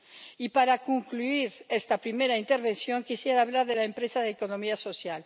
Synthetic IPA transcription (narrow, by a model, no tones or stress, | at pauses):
ipaɾakuŋkluiɾest̪apɾime̞ɾaint̪e̞ɾβe̞nsjo̞ŋkisjeɾaːβ̞laɾðelaempɾesaðekono̞miaso̞sjal